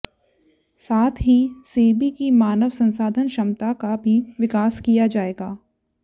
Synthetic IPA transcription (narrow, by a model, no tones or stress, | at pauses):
saːt̪ʰɦiseːbikimaːnəʋsɐ̃nsaːd̪ʱənʃɐmt̪akabʱiʋɪkaːskijad͡ʒaːeːɡaː